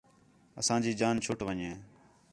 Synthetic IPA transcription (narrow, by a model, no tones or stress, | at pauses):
əsãːd͡ʒiːd͡ʒaːnt͡ʃʰʊːʈʋəɲẽː